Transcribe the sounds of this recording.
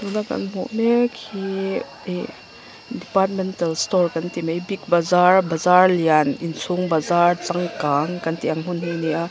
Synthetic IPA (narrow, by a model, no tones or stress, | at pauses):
dunaka̰nmuʔmekʰi | dipaɾt̚mentalstɔɾkantimajbik̚bɐzaɾbɐzaɾlijaninsʰuŋbɐzaɾt͡saŋkaŋkɐntijaŋɦunɦunija